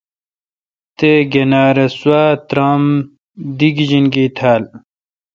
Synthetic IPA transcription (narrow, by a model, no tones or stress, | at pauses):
t̪eɡenaːɾɐswaːt̪ɾam | d̪iɡʑinɡiːt̪ʰaːl